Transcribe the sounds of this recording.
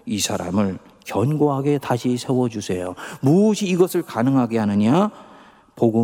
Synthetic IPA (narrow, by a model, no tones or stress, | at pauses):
isʰaɾa̰mɯɭkjʌnɡoɦaɡe̞taɕʰisʰe̞wʌd͡ʑusʰe̞jomuɕʰiːɡʌsʰɯɭkanɯŋɦaɡeɦanɯɲa | poɡɯ